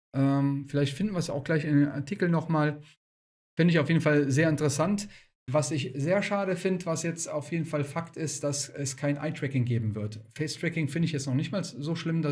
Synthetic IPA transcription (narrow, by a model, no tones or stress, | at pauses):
ʔɛːmfɪlaɪçtfɪndn̩viɐsja̰ʊxɡ̥laɪçɪndeːna̰ɐtʰikl̩nɔχmaːl | fɪndəɪçaʊfjeːdn̩falzeːɐɪntəʁəsant | vasɪçzeːɐʃaːɾəfɪndəvasjɛt͡staʊfjeːdn̩falfaktɪstd̥asɛskʰaɪnʔa̰ɪtʁ̥ɛkɪŋɡeːbm̩vɪɐtfɛɪstʁ̥ɛkɪŋfɪndəɪçjɛt͡snɔχnɪçtmaːlszoːʃlɪmda